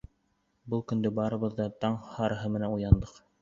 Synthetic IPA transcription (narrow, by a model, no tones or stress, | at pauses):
bɤlˠkɵ̆nd̪ɵbɑɾɤ̆βɤ̆ðːɑt̪ɑɴhɑɾɤ̆ɦɤmɘ̆nænujɑnd̪ɤq